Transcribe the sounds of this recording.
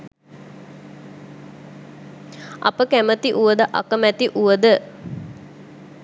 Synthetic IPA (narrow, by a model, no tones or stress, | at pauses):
a̰pəkæmət̪iʔuʋəd̪əʔa̰kəmæt̪iʔuʋəd̪ə